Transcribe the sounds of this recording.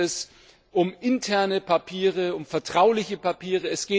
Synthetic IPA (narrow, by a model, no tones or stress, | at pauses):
ɛs | ʔʊmɪntʰɛɐnəpʰapʰiːʁ̞əʊmfɛɐtʁ̥aʊlɪçəpapʰiːʁəɛsɡ̥eː